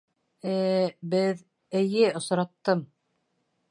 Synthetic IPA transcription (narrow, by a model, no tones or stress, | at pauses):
æbɘð | ɘ̆jɘŏs̆ɾɑt̪ːɤm